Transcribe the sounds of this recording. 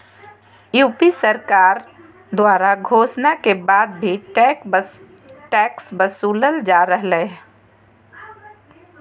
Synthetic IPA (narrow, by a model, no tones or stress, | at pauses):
juːpisəɾkaːɾ | d̪waːɾaɡʱoːsnakebaːd̪̚bʱi | ʈɛːksbəsuːləld͡ʒaːɾəɦle